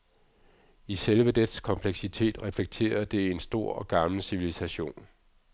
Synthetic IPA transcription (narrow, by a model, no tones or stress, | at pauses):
iselʋəd̥ed̥skʰɒ̽mpʰleɡ̥sit͡sʰe̝̰ːd̥ʁɛfleɡ̥̚t͡sʰe̝̰ːɐd̥e̝ensd̥o̝ɐ̰ɒ̽ɡ̥ɑ̈ml̩siʋilisæɕo̝̰ːn